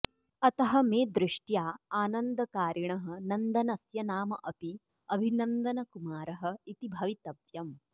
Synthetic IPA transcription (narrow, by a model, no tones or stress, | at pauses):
ɐt̪ɐɦɐmeːd̪ɾɪʂʈjaːaːnɐnd̪ɐkaːɾɐɳɐɦɐ̆nɐnd̪ɐnɐsjɐnaːmɐʔɐpi | ɐbʱinɐnd̪ɐnɐkumaːɾɐɦɐ̆it̪ibʱɐʋit̪ɐʋjɐm